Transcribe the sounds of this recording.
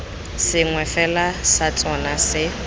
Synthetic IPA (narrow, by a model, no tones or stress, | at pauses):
sɪŋwɛfɛlasat͡sʼɔnasɪ